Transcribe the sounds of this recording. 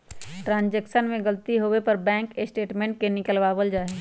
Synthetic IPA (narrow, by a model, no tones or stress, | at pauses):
ʈɾãːnd͡ʒɛkʃənmẽɡəlt̪iɦoepɐɾbɛ̃ːŋkesʈeːʈmẽːɳʈ̚kenɪkəlʋaʋəld͡ʒaːɦeː